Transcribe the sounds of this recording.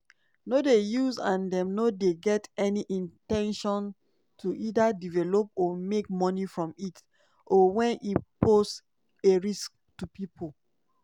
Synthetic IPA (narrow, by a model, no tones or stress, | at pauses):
nodejuzãndɛ̃mnodeɡɛtɛniʔĩntɛ̃nʃɔ̃n | tʰuʔidadivɛlop̚ɔmek̚mɔnifɹɔ̃mit | ʔɔwɛ̃nʔipost | eɹisk̚ | tupipʰol